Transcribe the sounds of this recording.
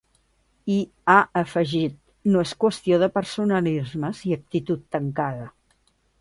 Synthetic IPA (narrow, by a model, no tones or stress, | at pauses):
i | aʔəfəʒit̪̚ | noeskwəst̪ioðəpəɾsunəlizməziək̚t̪it̪ut̪ːəŋkaðə